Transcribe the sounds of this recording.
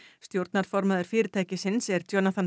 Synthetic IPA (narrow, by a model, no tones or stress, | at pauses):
st̪jowɾt̪naɾ̥fɔɾmaðʏɾ̥fɪːɾɪt̪ʰaːjcɪsɪnsɛɾ̥t̪ʰjoːnat̪ʰan